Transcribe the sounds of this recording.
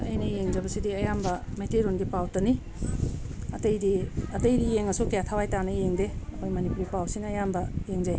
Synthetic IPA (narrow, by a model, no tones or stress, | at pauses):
ɐ̰jnɐjeŋzɐbɐsidiɐjambɐmeteɾonɡipawtɐni | ɐtɐjdiɐtɐjdijeŋɐsukejatʰawajtanɐjeŋdeɐkʰojmɐnipuɾipawsinɐjambɐjeŋzaj